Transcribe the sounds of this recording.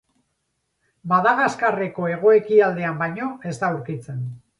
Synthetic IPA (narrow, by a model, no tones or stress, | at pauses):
baðaɣaskare̞ko̞e̞ɣ̞o̞e̞kiald̪e̞ambajɲo̞e̞zt̪awɾkit͡se̞n